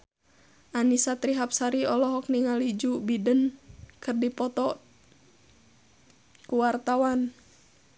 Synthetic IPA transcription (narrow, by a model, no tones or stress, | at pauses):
ʔanisat̪ɾiɦap̚saɾiɔlɔɦɔk̚niŋalid͡ʒubidənkərdipɔt̪ɔ | kuwart̪awan